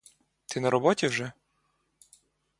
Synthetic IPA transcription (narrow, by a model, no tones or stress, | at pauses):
t̪ɪnɐɾɔbɔtʲiwʒɛ